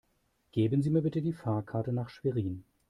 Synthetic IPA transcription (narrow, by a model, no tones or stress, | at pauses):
ɡ̥eːbənziːmiːɐbɪtədiːfaːɐkʰaɐtənaːχʃv̥eʁiːn